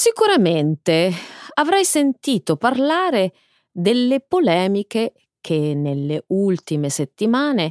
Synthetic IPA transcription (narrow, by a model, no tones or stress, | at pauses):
sikuɾament̪eavɾɛjsent̪iːt̪oparlaːɾe | d̪elːepolɛːmike | k̟ʰenelːeult̪imeset̪ːimaːne